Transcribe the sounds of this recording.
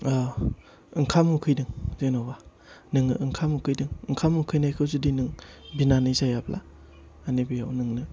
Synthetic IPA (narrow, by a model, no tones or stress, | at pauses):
ɯŋkʰamukʰɯjdɯŋzenawba | nɯŋɯ̰ʔɯŋkʰamukʰɯjdɯŋɯŋkʰamukʰɯjnajkʰɯwzudinɯŋbinanɯjzajaplʔa̰ | anebijawnɯŋnɯ